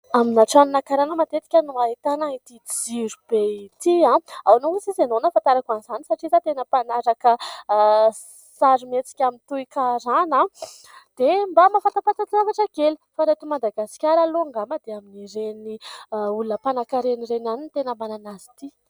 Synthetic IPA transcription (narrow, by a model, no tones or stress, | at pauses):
aminaʈ͡ʂaninakaɾanəmat̪et̪i̥kʲənuaɦit̪anait̪id͡ziɾub̥eit̪iãawnouzizenonəfant̪aɾakanzanisaʈ͡ʂizat̪enəpanaɾakə | saɾimet͡si̥kʲamint̪uikaɾana | d̪̥embamafant̪at̪at̪at͡s̪avaʈ͡ʂəɡelifaɾet̪umad̪aɡasi̥kʲaɾaloaŋɡaməd̪eaminiɾeniulunəpanakaɾeniɾenanint̪enəmananazi̥t̪i